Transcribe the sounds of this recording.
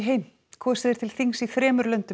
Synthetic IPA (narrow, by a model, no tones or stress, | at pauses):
ɦeːjm | kʰvɔːsɛðɪɾt̪ʰɪlθiŋsiθɾɛːmʏɾlœɥnt̪ʏ